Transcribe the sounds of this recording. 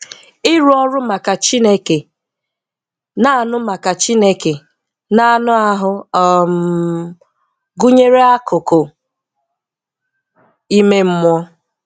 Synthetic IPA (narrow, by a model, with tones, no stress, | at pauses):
ɪ˦ɾu˦ɔ˦ɾʊ˦ma˨ka˨t͡ʃi˦ne˦ke˨ | na˦˨a˦˨nʊ˦ma˨ka˨t͡ʃi˦ne˦ke˨ | na˦˨nʊ˦a˦ɦʊ˦ɔ˨m̩˦ | ɡu˦ɲe˦ɾe˦a˦kʊ˨ko˨ | i˦me˦m̩˦mʷ˦ɔ˦